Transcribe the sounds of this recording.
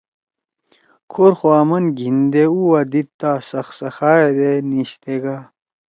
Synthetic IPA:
kʰoɾxoaːmɐnɡʱind̪euwɐd̪it̚t̪ːasɐxsɐxaːjed̪eniɕt̪eɡa

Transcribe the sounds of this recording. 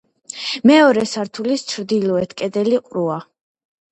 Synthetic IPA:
mɛɔɾɛsaɾt̪ʰulist͡ʃʰɾd̪ilɔɛt̪ʰkʼɛd̪ɛliqʼɾua

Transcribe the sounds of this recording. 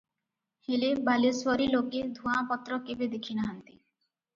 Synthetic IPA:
helebaleswɔɾiloked̪ʱuãpɔt̪ːɾɔkebed̪ekʰinaɦant̪i̥

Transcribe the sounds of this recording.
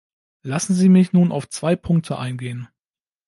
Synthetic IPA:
lasn̩ziːmɪçnuːnʔa̰ʊft͡sv̥aɪpʰʊŋk̚tʰəʔa̰ɪnɡeːən

